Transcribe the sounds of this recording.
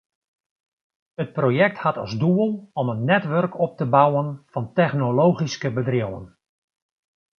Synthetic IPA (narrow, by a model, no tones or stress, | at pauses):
ət̚projɛk̚thatɑ̰zduəlˠɔmənːɛtʋørkɔp̚təbawənfɑntɛxnolowχiskəbədrɪwə̰n